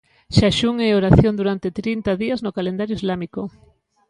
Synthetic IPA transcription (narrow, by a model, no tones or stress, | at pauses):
ʃaʃuŋeoɾaθjond̪uɾant̪et̪ɾint̪aðiaznokalend̪aɾjoizlamiko